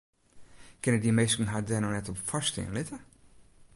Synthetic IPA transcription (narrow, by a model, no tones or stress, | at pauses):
kɪnədimejskən̩ɦadɛnonɛtɔpfastɪ̰ənlɪtə